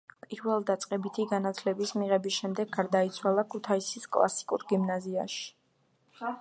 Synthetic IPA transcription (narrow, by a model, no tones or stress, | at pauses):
pʼiɾvɛlˠd̪at̪sʼqʼɛbit̪ʰiɡanat̪ʰlɛbismiʁɛbisʃɛmd̪ɛɡːaɾd̪ait̪sʰwalˠakʰut̪ʰaisiskʼlˠa̰si̥kʼṵɾɡimnazia̰ʃi̥